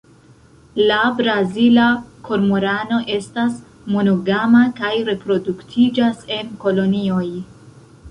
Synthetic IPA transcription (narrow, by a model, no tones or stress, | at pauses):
labɾazilakʰo̞ɾmoɾano̞ʔe̞stas | mo̞noɡamakajɾe̞pɾoduktʰid͡ʒase̞nko̞lo̞nio̞j